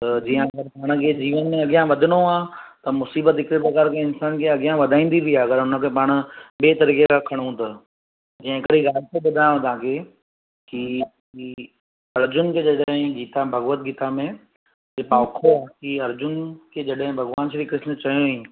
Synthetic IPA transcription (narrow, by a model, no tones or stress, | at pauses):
t̪ɐd͡ʑiːə̃ɐɡəɾpaːɽ̃̆kʰed͡ʑiːʋənmẽɐɡijãʋɐd̪ʱɪɽoaːt̪ɐmʊsiːbət̪ɪkɾebɐkaːɾkeɪnsaːnkʰeɐɡɪjãʋɐd̪ʱaːĩːn̆d̪ibʱiaːɐɡəɾʊnə̆kʰepaːɽ̃ʊ̆ɓeːt̪ɐɾiːkekʰãkʰɐɽ̃ũt̪ɐ | d͡ʑɐ̃ːɪ̃kɐɾiɣaːlt̪ebɐd̪ʱaõt̪ãːkʰe | ki | i | ɐɾd͡ʑʊnkʰed͡ʑɐɗɦɦɪ̃ɡiːt̪abʱɐɣʋət̪̚ɡiːt̪amẽ | epaːkʰoaːɦːkiɐɾd͡ʑʊnkʰeːd͡ʑɐɗɦɪ̃bʱɐɡʋaːnʃɾikɾɪʃnət͡ɕɐjoĩ